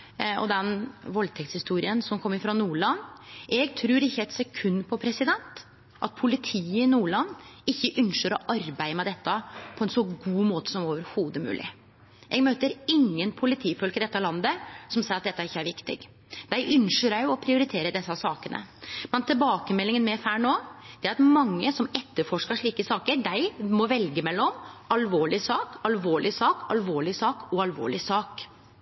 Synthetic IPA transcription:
ɔ̰d̪ɛnʋɔlt̪ʰɛkt̪shɪst̪uːɾɪənsɔmkʰɔmːəɾfɾɑnuːɭɑnːɛɡt̪ʰɾʉːɾɪçːəɛt̪sɛkʰʉnːpʰɔpʰɾɛsɪd̪ɛnt̪ | ʔɑt̪̚pʰʊlɪt̪ʰiːəɪnuːɭɑnːɪçːəʔʉnʂəɾɔʔɑɾbæɪəmɛd̪ɛt̪ːəpʰɔɛnsɔɡuːmoːt̪ə̥sɔmoːʋəɾhuːd̪əmʉ̰ːlɪ̰ | ʔɛɡmøːt̪əɾɪŋːənpʰʊlɪt̪ʰiːfɔlkɪd̪ɛt̪ːɑlɑnd̪əsɔmseːɾɑt̪̚d̪ɛt̪ːæɾɪçːəæɾʋɪkt̪ɪ̰ɡ | d̪̥æɪʔʏnʂəɾæjʊɔpʰɾɪʊɾɪt̪ʰeːɾəd̪ɛsːɑsɑːkənə̰mɛnt̪ʰɪlbɑːkəmɛlːɪŋənmɛfæːɳoːd̪̥ɛæɾɑt̪mɑŋːəsɔmɛt̪ːəɾfɔʂkɑʂɭiːkəsɑːkəɾɖæɪmɔʋɛlɡəmɛlːɔmɑlʋoːɭɪsɑːkɑlʋoːɭɪsɑːkʰɑlʋoːɭɪsɑːkɔɑlʋo̰ːɭɪsɑːk

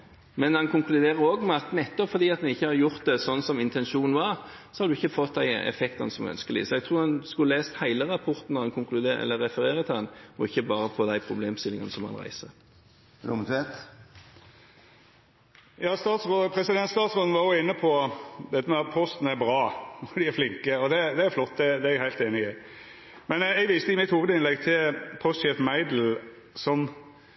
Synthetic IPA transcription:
mɛnhɑnkʊŋklʉd̪eːʁəɾoːɡmɛɑt̪mɛɛt̪ːɔpfɔɾd̪iːɑt̪d̪ɛnɪçːəhɑɾjʊʁt̪̚d̪ɛsɔnːsɔmɪnt̪ʰɛnʃuːnn̩ʋɑʁ | sɔhɑd̪ʉɪçːəfɔt̪̚ːd̪æɪɛ̰fɛkt̪ɑnəsɔmœ̰nskəlɪ̰sɔɛɡ̚t̪ʰʁuːɾhɑnskʉleːst̪hæɪləʁɑpʰɔʁt̪n̩ɔʁɑnkʰʊŋklʉd̪eɛ̰lːəɾɛfəɾeːɾət̪ʰɪɑnɔɪçːəbɑːɾəpʰɔd̪æɪpʰʁʊbleːmst̪ɪlɪŋɑnəsɔmhɑ̰nʁæ̰ɪsə | dʊmt̪ʰʋeːt̪ | jɑːst̪ɑːt̪sʁopʰɾɛsɪd̪ɛnt̪st̪ɑːt̪sʁoːd̪n̩ʋɑɾjoɪnːəpʰɔʋɛɪt̪əmɛɑpʰɔst̪n̩əæɾbɾɑːɔd̪ɪæɾflɪŋkəɔd̪ɛd̪ɛæɾflɔt̪ːd̪ɛd̪ɛɛɡhæɪlt̪eːnɪɪ | mɛnɛɡʋɪst̪əɪmɪt̪huːʋəd̪əɪnlɛɡt̪ʰɪlpʰɔst̪ʃeːfmæɪd̪l̩ | sɔm

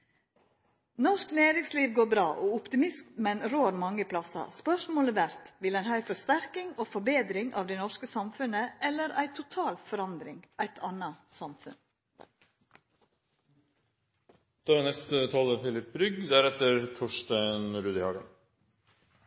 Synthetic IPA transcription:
nɔʂkleːɾɪŋsliːʋɡoːɾbɾɑːʔɔʊpt̪ɪmɪsk̪mɛnɾoːɾmɑŋːəpʰlɑsɑ̰spœʂmoːləʋæɾt̪ʋɪlæɪnɦɑːæɪfɔst̪æɾkɪŋoːfɔbeːd̪ɾɪŋɑ̰ːʋd̪ɛɪnɔʂkəsɑmfʉnəɛlːəɾʔæɪt̪ʰʊt̪ʰɑːlfɔɾɑnd̪ɾɪŋʔæɪt̪ʰɑnɑsɑmfʉ̰n | d̪̥ɛnɛst̪ət̪ʰɑːləfɪlɪpɾʏɡd̪æɾɛt̪əɾt̪ʰɔʂtæɪnɾʉːd̪ɪhɑːɡən

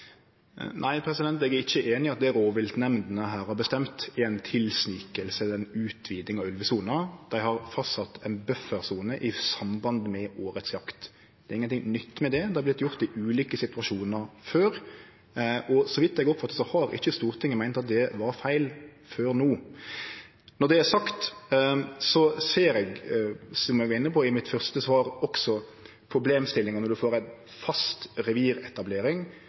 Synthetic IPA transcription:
nʔæɪpʰɾɛsɪd̪ɛnt̪ɛɡæɾɪçːəʔeːnɪɑt̪̚d̪æɾoːʋɪlt̪nɛmnd̪nəɦæːɾhɑbəst̪ɛmt̪ɪæɪnt̪ʰɪlsniːkəlsəɛnʉːt̪ʰʋiːd̪ɪŋɑʋʉlʋəsuːnəd̪̥æɪhɑɾfɑsɑt̪ːʰɛnbœfəɾsuːnəʔɪsɑmbɑnd̪mɛoːɾət̪sjɑkt̪ | d̪̥ɛɾɪŋənʰɪŋnʏt̪ːmɛd̪ɛd̪ɛæɾblɪt̪ːjʊʁt̪ɪʔʉːliːkəsɪt̪ʉʋɑʃuːnəɾføːɾ | ʔɔsɔʋɪt̪ːɛɡɔpfɑt̪ːət̪sɔhɑɾɪ̰çːəst̪uːɾt̪ʰɪŋːəmæɪnt̪ɑt̪̚d̪ɛʋɑɾfæɪlføːɾnuː | nɔd̪ɛæɾsɑkt̪ | sɔseːɾɛɡsɔmɛɡæɾɪnːəpʰɔɪmɪt̪fœɾʁst̪əsʋɑːɾɔksɔ | pʰɾʊbleːmst̪ɪlːɪŋɑnɔd̪ʉfoːɾæɪn | fɑst̪ɾɛʋiːɾɛt̪ɑbleːɾɪŋ

